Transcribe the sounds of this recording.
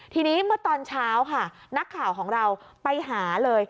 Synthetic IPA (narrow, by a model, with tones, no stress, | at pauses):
t̪ʰiː˧niː˦˥mɯ˦˥ɐt̪ɔː˧nt͡ɕʰaː˦˥wkʰa˥˩ | na˦˥kʰːaː˨˩wkʰɔː˩˦ŋɾa˧w | pa˧jɦaː˩˦lɤː˧j